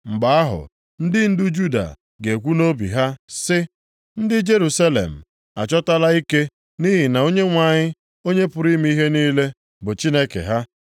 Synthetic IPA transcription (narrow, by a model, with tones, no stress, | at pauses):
ŋ͡m̩˨ɡ͡ba˨a˦ɦʊ̰˨ | n̩˦dɪ˦n̩˦dʊ˦d͡ʒu˦da̰˨ | ɡe˨kʷu˦no˦bḭ˨ɦa˦sɪ˦ | n̩˦dɪ˦d͡ʒe˦ɾu˨sa˦lḛ˨m̩˨ | a̰˨t͡ʃɔ˦ta˦la˦i˦ke˦ | ni˦ɦi˨na˨o˦ɲe˦ŋʷa˨ɲɪ˦ | o˦ɲe˦pʊ˨ɾi˦m˦i˦ɦe˦niː˦le˦ | bʊ˨t͡ʃi˦ne˦kḛ˨ɦa˦